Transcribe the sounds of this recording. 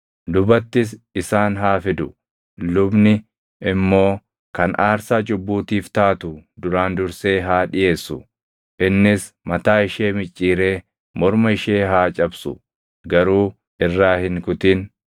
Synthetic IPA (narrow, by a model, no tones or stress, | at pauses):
d̪ʊbɐt̪ːɪs̬ɪsaːnɦaːfɪd̪ʊ | lʊbnɪ | ɪmːo̞ː | kɐnaːɾsaːt͡ʃʼʊbːuːt̪iːft̪aːt̪ʊd̪ʊɾaːnd̪ʊɾse̞ːɦaːᶑɪje̞ːsːʊ | ʔɪnːɪsmɐt̪aːɪʃe̞ːmɪt͡ʃʼːiːɾe̞ː | mɔɾmɐɪʃe̞ːɦaːt͡ʃʼɐbsʊ | ɡɐɾuː | ʔɪrːaːhɪŋkʊt̪iːn